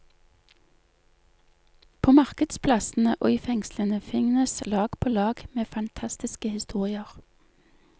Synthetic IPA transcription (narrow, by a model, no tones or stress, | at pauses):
pʰoːmɑʁkəd̪̥spʰlɑsn̩əʔɔifɛŋslənəfɪŋnəslɑːɡ̥pʰoːlɑːɡ̥meːfɑnt̪ʰɑst̪ɪskəhɪst̪uːʁɪəʁ